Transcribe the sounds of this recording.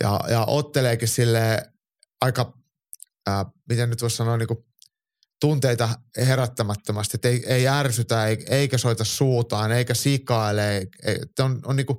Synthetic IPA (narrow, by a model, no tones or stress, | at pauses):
jɑ̰jɑ̰ʔot̪ːeleːkissilːeː | ɑikɑː | mit̪ennyt̪ʋuossɑnoːniːŋku | t̪unt̪eit̪ɑheɾæt̪ːæmæt̪ːømɑst̪iet̪ːeieiærsyt̪æeieikæsoit̪ɑssuːt̪ɑːneikæsikɑileiḛt̪ːononniːku